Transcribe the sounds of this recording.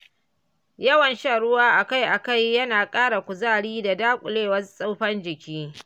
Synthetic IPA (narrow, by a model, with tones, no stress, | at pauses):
jɐ˦wɐ˨nʃaː˦˨ɽʊ˦waː˦ʔa˨ka˦jʔa˨ka˦jːɐ˦naː˨kʼaː˦ɽa˨kʷʊ˨zaː˦˨ɽiː˦da˨daː˦kʷʼʊ˨leː˦wɐ˦sʼa˦wɸɐ˦nd͡ʒɪ˨kʲiː˦